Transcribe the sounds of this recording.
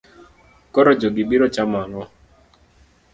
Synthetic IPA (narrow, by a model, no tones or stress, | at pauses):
kɔɾɔd͡ʒɔɡɪbiɾɔt͡ʃamalɔ